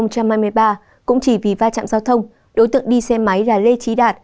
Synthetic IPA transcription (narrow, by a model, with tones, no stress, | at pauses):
ə˧t͡ɕa˧mhaː˧jmɨ˧əjɓaː˧ | kʊ̰˧˥ŋ͡mt͡ɕi˧˩vi˨˩vaː˧t͡ɕa̰ː˧˨mzaː˧wt̪ʰə˧wŋ͡m | ɗo˨˦jt̪ɨ̰˧˨əŋɗi˧sɛ˧ma˨˦jlaː˨˩le˧t͡ɕi˨˦ɗaː˨˩t̚